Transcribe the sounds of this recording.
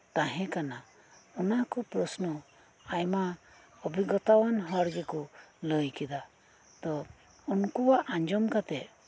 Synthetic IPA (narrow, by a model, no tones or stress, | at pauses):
t̪aɦɛ̃kana | ɔnakɔpɾɔsnɔ | ajma | ɔbʱiɡɔt̪awanɦɔɾɡɛkuləjkɛd̪a | t̪ɔ | unkuwaʔaɲd͡ʒɔmkat̪ɛ